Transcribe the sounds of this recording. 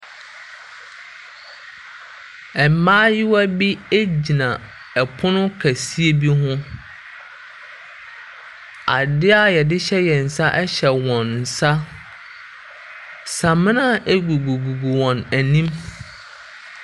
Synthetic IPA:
ɛ˨m˦mãː˦jɪ˦wa˦bi˦e˦d͡ʑi˨nã˨ | ɛ˨pʰʊ˦nʊ̃˦kʰæ˨si˦e˦bi˦ɦʊ̃˦ | a̰˨dɪ˦a˦jɛ˨dɪ˦ɕɛ˦jɛ˨n̩˨sa˦ʔɛ˦ɕɛ˨wɔ̃˨n̩ː˨sa˦ | sã˨mɪ̃˦nã˦ʔe˦ɡu˨ɡu˨ɡu˨ɡu˨wɔ̃˨næ˨nĩ˦m

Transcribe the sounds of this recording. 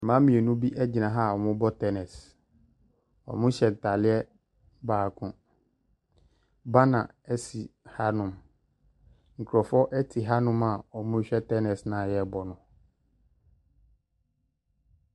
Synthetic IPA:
mã˦mĩ˨e˨nũ˦bi˦ʔɛ˦d͡ʑi˨nã˨ɦa˦˨ɔ˨mʊ̃˦bɔ˦tʰɛ˦nɛ˨s | ɔ̰˨mʊ̃˦ɕɛ˨n˨ta˨lɪ˦ɛ˦ | baː˨kʰʊ̃˨ | ba˦nã˨ɛ˦si˨ha˦nʊ̃˨m | ŋ̩˨kʰu˨ɾɔ˨fɔ˦ʔɛ˦tʰɪ˨ɦa˦nʊ̃˦ma˨ɔ˨mʊ̃˦ɕᶣɛ˦tʰɛ˦nɛ˨snã˨jɛ˦bɔ˨nʊ̃˨

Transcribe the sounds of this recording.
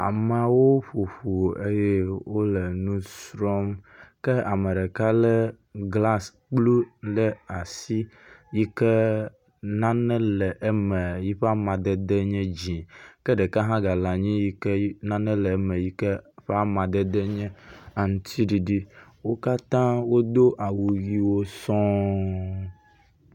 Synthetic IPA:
a̰˨ma˨wo˦ɸo˨ɸo˨e˦je˦wo˦lɛ˨nũ˦sɾɔ˦mkɛ˦a˨mɛ˨ɖɛ˨ka˦lɛ˦ | ɡla˦s | k͡plu˦lɛ˦a˨si˦ | ji˦kɛ˦ | nã˦nɛ̃˦lɛ˨ʔɛ˦mɛ˨ji˦ɸɛ˦a˦mã˨d̪ɛ˦d̪ɛ˦ɲɛ̃˦d͡ʑĩ˨kɛ˦ɖe˨ka˦ɦã˦ɡa˨la˨ɲĩ˦ji˦kɛ˦nã˦nɛ̃˦lɛ˨˦mɛ˨ji˦kɛ˦ɸe˦a˦mã˨d̪ɛ˦d̪ɛ˦ɲɛ̃˦a˨ŋũ˦t̪ʰi˦ɖi˨ɖi˦wo˦ka˦t̪ã˦wo˦d̪o˦ʔa˨wu˨ɣi˦wo˦sɔ̃˦

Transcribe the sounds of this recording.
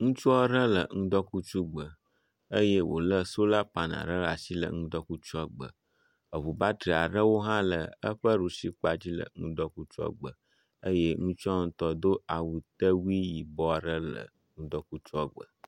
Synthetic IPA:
ŋũ˦t͡ʃu˦ɖə˦lə̰˨ŋũ˦d̪ɔ˦ku˦t͡ʃu˦ɡ͡bə˨ | ə˦je˦wʔo̰˨lə˦so˦la˦pa˨nã̰˨ɾə˦la˨si˦lə̰˨ŋũ˦d̪ɔ˦ku˦t͡ʃɔ˦ɡ͡bə̰˨ | ə˨βu˨ba˦t̪ɾi˨a˨ɖə˦wo˦ɦã˦lə˨ə˦ɸə˦ɾu˨si˦k͡pa˦d͡ʑi˦lə̰˨ŋũ˦d̪ɔ˦ku˦t͡ʃɔ̰˦ɡ͡bə˨ | ə˦je˦ŋũ˦t͡ʃɔ˦ŋũ˦t̪ɔ˦d̪o˦a˨wu˨t̪ə˦wu˦i˦ji˨bɔ˦a˨ɖə˦lə̰˨ | ŋũ˦d̪ɔ˦ku˦t͡ʃu˦ɔ˦ɡ͡bə̰˨

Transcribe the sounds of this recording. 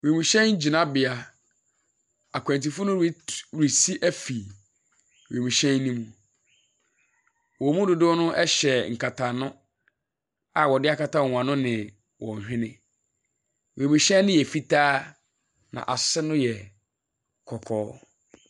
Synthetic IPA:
we˨mũ˨ɕɛ̃˦n˦d͡ʑi˨nã˦bɪ˨a˨ | a˨kʷʰã˨nti˨fʊ˦nʊ̃˦wi˦wɾi˨si˦ʔæ˦fi˨ | we˨mũ˨ɕɛ̃˦nː˦ĩ˦mũ˨ | wɔ˨mũ˦dʊ˨dʊ˦nʊ̃˦ʔɛ˦ɕɛ˨ŋ̩˨kʰa˨tʰa˨nʊ̃˦ | a˨wɔ˨dɪ˦a˦kʰa˨tʰa˦wɔ˨ŋʷ˨ã˨nʊ̃˦nɪ̃˨ | wɔ̰˨ɲ˨hᶣɪ̃˦nɪ̃˦ | we˨mũ˨ɕɛ̃˦nɪ̃˦jɛ˨fi˦tʰaː˦ | nã̰˨ʔa˨sɛ˦nʊ̃˦jɛ˨ | kʰɔ˨kʰɔː˦

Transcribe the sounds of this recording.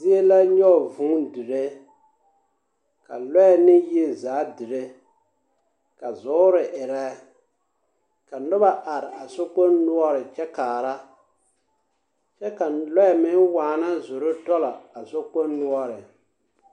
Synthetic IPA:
zi˦e˦la˦ɲɔ˦˨vu˦dɨ˨ɾe˦ | ka̰˨lɔ˦ɛ˨nɪ˦je˦zaː˨˦dɨ˨ɾe˦ | ka˨zɔː˨˦ɾɪ˨ʔɪ˨ɾɛ˦ | ka˨nʊ˦ba˦ʔa˨ɾɪ˨a˨so˦k͡po˦nːʊ˦ɔ˦ɾɪ˨t͡ʃɛ˦kaː˨ɾa˦ | t͡ʃɛ˦ka˨lɔ˦ɛ˨mɪ˦nwaː˨na˦zʊ˨ɾʊ˦tɔ˦la˨a˨so˦k͡po˦nːʊ˦ɔ˦ɾɪ˨

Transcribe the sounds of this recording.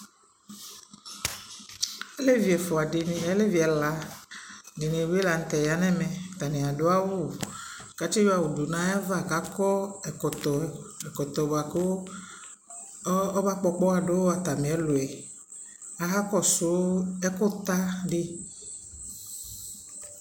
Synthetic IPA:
e˦le˦vi˨ɛ˨fɔ˨a˨de˨n˨ɛ˦le˦vi˨ɛ˨la˨ | di˨nĩ˨we˦la˨n̩˨t̪ɛ˨ja˨nɛ̃˦mɛ̃˨t̪a˨nĩ˨a˨do˦a˦wu˦˨ | ka˨t͡ʃi˦jɔ˦a˨wu˨du˨nã˦ja˦va˦˨ka˦kɔ˦˨ | ɔ˨ɛ˨kɔ˨t̪ɔ˨ba˨ke˦wo˦ | ɔ˦ba˦k͡pɔ˦k͡pɔ˦a˨ɖo˦wo˦a˨t̪a˨mẽ˨ɛ˦lo˨ɛ˨ | a˨ɦa˦kɔ˦so˦ɛ˦ko˦t̪a˦ɖe˦

